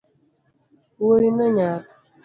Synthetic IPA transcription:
woɾinɔɲat

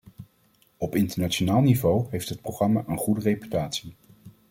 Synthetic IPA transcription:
ɔpɪntəɹnat͡ʃonaːlˠnivowɦejftɦət̚proχrɑmaːʔənχudərepy̥taːtsi

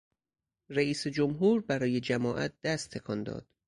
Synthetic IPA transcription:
reiːsed͡ʒomɦuːɾbæɾɒːje̞d͡ʒæmɒːʔæ̰t̪̚d̪æst̪ʰːekʰɒnd̪ɒ̰ːd̪̥

